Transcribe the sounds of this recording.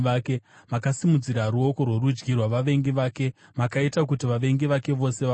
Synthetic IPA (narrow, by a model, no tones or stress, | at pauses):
kemakasimud͡ziɾaɾuo̞ko̞rwe̞ɾud͡ʒɡirwaʋaʋe̞ŋɡiʋaːke̞makaitak̬utiʋaʋe̞ŋɡiʋake̞ʋo̞se̞ʋa